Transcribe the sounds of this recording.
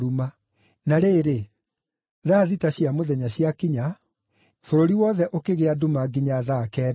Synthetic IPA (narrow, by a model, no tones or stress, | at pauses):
ɾuma | naɾeːɾe | ðaːðitaɕiamoðɛɲaɕiakiɲa | foɾoɾiwɔðɛʔokeɣeadumaɡiɲaðakɛ